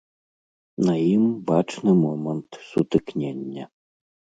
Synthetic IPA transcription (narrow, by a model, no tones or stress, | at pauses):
nɐjimbat͡ʂnɨmɔmənt̪sut̪ɨknʲenʲːə